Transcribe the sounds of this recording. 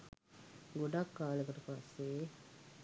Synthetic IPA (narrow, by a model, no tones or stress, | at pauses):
ɡoɖakːaːlekoʈupasːe